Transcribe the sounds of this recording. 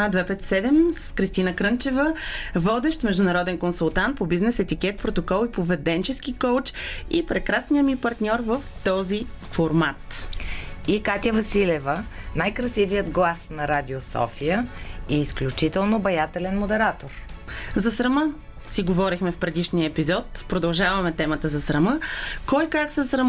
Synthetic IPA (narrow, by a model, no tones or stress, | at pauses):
d̪vɛpɛt̪sɛd̪ɛmskɾist̪inəkɾɤnt͡ʃɛvəvɔd̪ɛʃt̪mɛʒd̪ʊnɐɾɔd̪ɛnkonsulˠt̪ant̪̚pobiznɛsɛt̪ikʲɛt̪̚pɾot̪okɔlˠipovɛd̪ɛnt͡ʃɛskikowt͡ʃipɾɛkɾasnijəmipɐɾt̪nʲɔɾvəft̪ɔzifoɾmat̪ | ikat̪ʲjəvɐsilɛvənajkɾɐsivijəd̪ɡlˠasnɐɾad̪ʲiosɔ̰fijəiːsklʲut͡ʃit̪ɛlˠnobɐjat̪ɛlɛnmod̪ɛɾat̪oɾzɐsɾɐmə | siɡovɔɾixmɛfpɾɛd̪iʃniəɛpizɔt̪pɾod̪ɐlˠʒavɐmɛt̪ɛmət̪əzɐsɾɐməkɔjkaksəsɾɐm